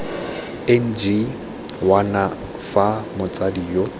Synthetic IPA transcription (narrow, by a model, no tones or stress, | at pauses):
ɛn̩d͡ʒi | wana | famʊt͡sʼadiːjɔ